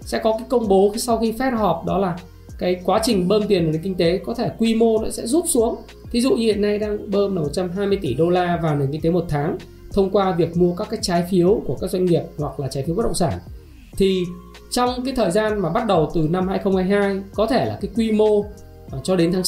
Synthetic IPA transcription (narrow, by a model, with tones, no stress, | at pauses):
sɛ̰˧˥kɔ˨˦kaː˨˦jkə˧wŋ͡mɓo˨˦xsɔ˧wxi˧fɛ˦˥t̚hɔ˨˩p̚ɗɔ˨˦laː˨˩ | kaː˨˦jkwaː˨˦t͡ɕï˨˩ŋ̟ɓəː˧mt̪̬i˨˩ənʔŋki˧ŋ̟t̪e˨˦kɔ˨˦t̪ʰe˧˩kwi˧mo˧nɔ̰˨˦sɛ̰˧˥zu˦˥p̚su˨˦əŋ | t̪ʰi˨˦zṵ˧˨ɲ˧hḭ˧˨əna˧jɗaː˧ŋɓəː˧mla˨˩mo˨˩t̚t͡ɕa˧mɦaː˧jmɨ˧əjt̪i˧˩ɗo˧laː˧vaː˨˩wne˨˩nki̟˧t̪e˨˦mo˨˩t̚t̪ʰaː˨˦ŋ | t̪ʰə˧wŋ͡mkwaː˧vi˨˩ək̚mu˧əkaː˦˥kːaː˨˦jt͡ɕaː˨˦jfi˨˦əwku˧˩əkaː˦˥k̚zwa˧ŋ̟ŋi˨˩əp̚hwa˨˩k̚laː˨˩t͡ɕaː˨˦fi˨˦w̚ɗə̰˧˨ŋ͡msaː˧˩n | t̪ʰi˨˩ | t͡ɕɔ˧wŋ͡mkaː˨˦jt̪ʰəː˨˩jzaː˧nmaː˨˩ɓa˦˥t̚ɗə˨˩wt̪ɨ˨˩na˧mhaː˧jxə˧wŋ͡mhaː˧˩jɦaː˧jkɔ˨˦t̪ʰe˧˩la̰ː˨˩kaː˨˦jkwi˧mo˧ | t͡ɕɔ˧ɗe˨˦nt̪ʰaː˨˦